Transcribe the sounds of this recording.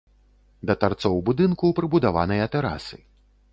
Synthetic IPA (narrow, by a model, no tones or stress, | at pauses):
d̪ɐt̪art̪sɔwbud̪ɨnkupɾɨbud̪ava̰nɐjɐt̪ɛɾa̰sɨ